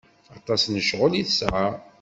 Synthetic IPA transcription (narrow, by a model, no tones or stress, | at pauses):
ɑt̪ˤɑsnəʃʁʊliθəsʕa